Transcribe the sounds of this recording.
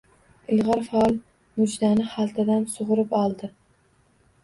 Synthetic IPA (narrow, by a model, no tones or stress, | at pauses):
ɪlˠʁɑɾfaɒlˠ | mʊd͡ʒd̪anɪχalˠt̪ʰad̪ansoʁʊɾɪpɒlˠd̪ɪ